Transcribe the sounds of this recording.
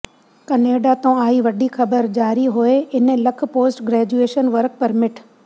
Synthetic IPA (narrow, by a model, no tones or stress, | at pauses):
kɐneːɖat̪õaːiʋɐɗixɐbəɾd͡ʑaːɾiɦʊeɪnlɐkʰpoːsʈɡɾɛːd͡ʑueːʃənʋɐɾk̚pɐɾmɪʈʰ